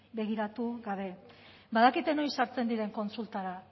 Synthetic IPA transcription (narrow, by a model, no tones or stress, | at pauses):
be̞ɣ̞iɾat̪uɣaβe̞ | baðakit̪e̞no̞jsaɾt͡se̞nd̪iɾe̞ŋko̞nsult̪aɾa